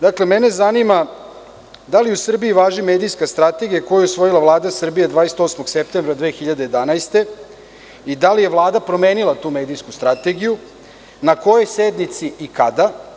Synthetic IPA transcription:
d̪akle̞mene̞zanima | d̪aliusr̩biiʋaːʒime̞ːd̪ijskast̪ɾat̪e̞ɡijako̞jeusʋo̞jilˠavlˠaːd̪asr̩bijad̪ʋaːese̥t̪o̞smoɡsep̚t̪embɾad̪ʋeːxiʎad̪eje̞d̪anajst̪e̞ | id̪alije̞ʋlˠaːd̪apɾo̞me̞ːnilat̪uːme̞ːd̪ijskust̪ɾat̪e̞ɡiju | nako̞jo̞jsed̪nit̪siʔikad̪a

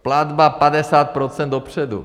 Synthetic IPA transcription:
plad̪bapadɛsaːt̪̚pɾot͡sɛnd̪dopr̝̥ɛdṵ

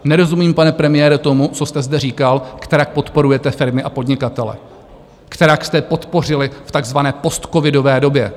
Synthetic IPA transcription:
nɛɾo̞zumiːmpanɛpɾɛmɪjɛːɾɛt̪o̞mut͡so̞st̪ɛzdɛriːkalkt̪ɛɾak̚po̞t̪po̞ɾujɛt̪ɛfɪɾmɪʔapo̞dɲɪkat̪ɛlɛ̰ | kt̪ɛɾakst̪ɛpo̞t̪po̞r̝ɪlɪft̪aɡzvanɛːpo̞st̪ko̞vɪdo̞vɛːdo̞bjɛ

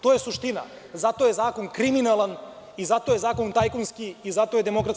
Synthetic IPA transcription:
t̪ojesuʃt̪ina̰ | zat̪ojezaːkonkɾiminalˠan | izat̪oːjezaːkont̪ajkonskiizat̪ojed̪emokɾat̪

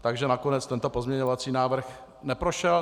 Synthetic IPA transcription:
t̪aɡʒɛnakonɛt͡st̪ɛnt̪o̞pozmɲɛɲovat͡siːnaːvr̩x | nɛpɾoʃɛl

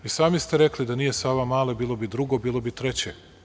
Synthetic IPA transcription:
isaːmist̪e̞ɾeklid̪aniːjesaːʋamaːlebiːlˠo̞bid̪ɾuɡobiːlˠo̞bit̪ɾe̞t͡ɕe

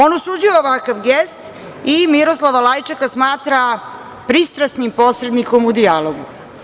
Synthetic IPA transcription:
onosud͡ʑiooʋakaʋɡest̪ | imiɾoslˠaʋalajt͡ʂakasmaːt̪ɾa | pɾist̪ɾasnimpo̞ːsɾe̞d̪niko̞mud̪ialoɡu

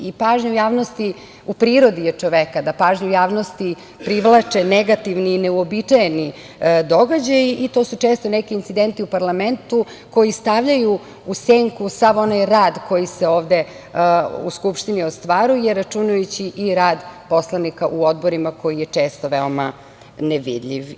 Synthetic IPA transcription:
ipaːʒɲuujaːʋnost̪i | upɾiːɾo̞d̪ijet͡ʂoʋekad̪apaːʒɲujaːʋno̞st̪i | pɾiʋlˠat͡ʂeneɡat̪iʋniːneuobit͡ʂajeni | d̪o̞ɡad͡ʑajiʔit̪o̞sut͡ʂeːst̪onekiːnt̪sid̪ent̪iupaɾlame̞nt̪u | ko̞jist̪aʋʎaju | useŋkusaʋo̞najɾaːd̪ko̞jiseoːʋd̪e | ṵskupʃt̪iniost̪ʋaɾujeɾːat͡ʃunajut͡ɕiʔiɾaːd̪po̞slˠanikaʔuo̞d̪boɾimako̞jijet͡ʂe̞ːst̪o̞ʋeo̞ma | neʋḭd̪ʎʲḭʋ

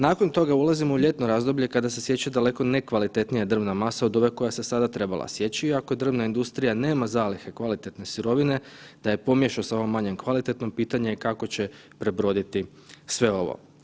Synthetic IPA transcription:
naːko̞nt̪o̞ɡaulˠazimouʎe̞t̪noɾazd̪o̞bʎe̞kad̪ase̞sje̞t͡ɕed̪ale̞ko̞ne̞kʋalit̪e̞t̪nijad̪r̩ʋnamasaod̪o̞ʋeko̞jase̞sad̪at̪ɾe̞bala̰sje̞t͡ɕiiakod̪r̩ʋnaind̪ust̪ɾijane̞ːmazaːlixe̞kʋalit̪e̞t̪ne̞suɾo̞ʋine̞d̪̥aje̞po̞mjeʃosao̞ʋomːaɲe̞mkʋalit̪e̞t̪no̞piːt̪aɲekako̞t͡ɕe̞ | pɾe̞bɾo̞d̪it̪i | sʋe̞o̞ʋo̰

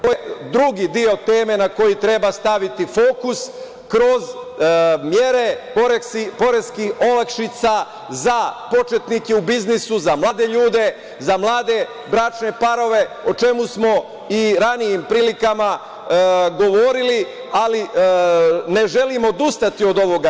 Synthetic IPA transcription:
t̪ojed̪ɾuɡid̪io̞t̪eːme̞nako̞jit̪ɾe̞bast̪aʋit̪ifo̞ːkus | kɾo̞z | mje̞ɾe̞poɾepo̞ɾe̞skiho̞lakʃit̪sa | zapo̞t͡ʃe̞t̪nikeubiznisuzamlˠaːd̪e̞ʎuːd̪e̞ | zamlˠaːd̪e̞ | bɾat͡ʃne̞paɾo̞ʋe̞ot͡ʃe̞musmo̞ | iɾanijimpɾiːlikama | ɡo̞ʋo̞ːɾili | ali | ne̞ʒe̞limood̪ust̪at̪io̞d̪o̞ʋo̞ɡa

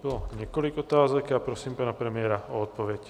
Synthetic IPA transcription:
bɔlɔɲɛkɔliɡɔt̪aːzɔkapɾɔsiːmpaːnapɾɛmɪɛɾaɔɔt̪̚pɔʋɛc

